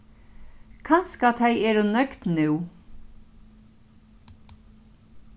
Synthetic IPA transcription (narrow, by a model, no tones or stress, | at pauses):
kʰɑnskat̪ʰɛjɛːɾʊnœkt̪nʉː